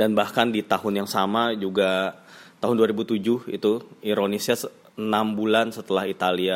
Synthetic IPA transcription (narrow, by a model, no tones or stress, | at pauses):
danbahkandit̪ahʊnjaŋsamad͡ʒuɡat̪aɦʊnduaɾibut̪ud͡ʒʊhḭt̪uiɾonisas | nambulansət̪əlahit̪alia